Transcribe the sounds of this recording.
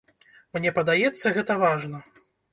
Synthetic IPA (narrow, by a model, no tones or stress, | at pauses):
mnʲɛpɐd̪ajɛt̪sːɐɣɛt̪ɐvaʐnɐ